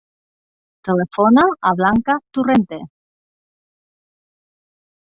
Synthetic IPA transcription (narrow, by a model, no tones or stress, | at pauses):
t̪elefonaaβlaŋkat̪urent̪e